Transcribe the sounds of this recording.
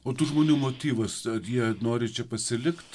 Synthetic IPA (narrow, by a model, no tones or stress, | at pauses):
oːt̪uʒmoːnʲuːmoːt̪ʲiːʋɐsɐɾjiɛnoːɾʲɪt͡ʃʲɛpɐsʲɪlʲɪkt̪ʲ